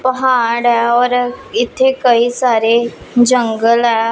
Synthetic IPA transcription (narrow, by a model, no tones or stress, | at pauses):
pəɦaːɽɛːɔːɾɪt̪ʰːeːkəiːsaːɾeː | d͡ʒəŋɡəlɛː